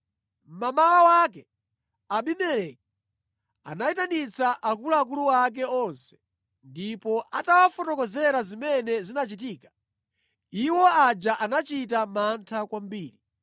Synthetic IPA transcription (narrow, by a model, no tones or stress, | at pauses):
m̩mamalawakɛ | aɓimɛlɛk̚i | a̰naitanit͡saʔakulaːk̬uluwak̬ɛɔnsɛ̥ | ndipɔʔatawafɔtɔkɔzɛɾazimɛnɛzinat͡ʃitiːkḁ | iwɔad͡ʒaʔanat͡ʃitamantʰakwambiːɾi